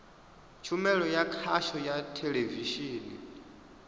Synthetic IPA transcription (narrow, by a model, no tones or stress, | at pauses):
t͡ʃʰumɛɺɔjakʰaʃɔjatʰeleviʃiːnḭ